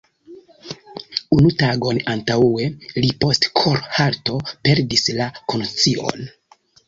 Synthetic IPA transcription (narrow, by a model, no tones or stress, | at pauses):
unutaɡo̞nantawe̞lipo̞stkʰoɾhaɾto̞pe̞ɾdislakont͡sio̞̰n